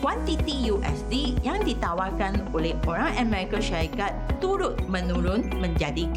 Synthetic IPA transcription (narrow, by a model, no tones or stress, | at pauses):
kwant̪it̪ijuʔɛ̰sdijãŋdit̪awalkanolɛhoɾãŋʔəmɛɾikaʃaɾikat̪ːuɾʊt̪̚mə̃nũɾʊnmə̃ɲd͡ʒadik